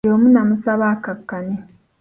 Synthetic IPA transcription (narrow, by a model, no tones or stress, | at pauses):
oːmunamusaβaːkakːane